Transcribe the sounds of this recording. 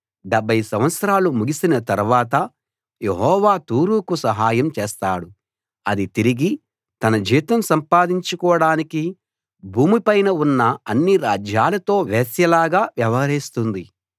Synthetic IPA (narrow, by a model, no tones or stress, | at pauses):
ɖɐbʱːɐjsɐmʋɐt̪sɐɾaːlumuɡisinɐt̪ɐɾuʋaːt̪ɐ | je̞ɦɔːʋaːt̪uːɾuːkusɐɦaːjɐmt͡ʃeːst̪aːɽu | ɐd̪it̪iɾiɡi | t̪ɐnɐd͡ʒiːt̪ɐmsɐmpaːd̪iɲt͡ʃukɔːɽaːniki | bʱuːmipɐjnɐunːɐɐnːiɾaːd͡ʒjaːlɐt̪o̞ːʋeːsjɐlaːɡaːʋjɐʋɐɦɐɾist̪und̪i